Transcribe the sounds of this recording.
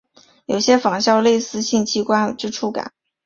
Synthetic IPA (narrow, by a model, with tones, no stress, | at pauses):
jo˨˩ʊɕjɛ˥fɑ˨˩ŋɕjɑ˥˧ʊle˥˧ɪsɹ̩˥˧ɕi˥˩ŋt͡ɕʰi˥kwa˥˩nʈ͡ʂɻ̩˥ʈ͡ʂʰu˥ka̰˨˩˦n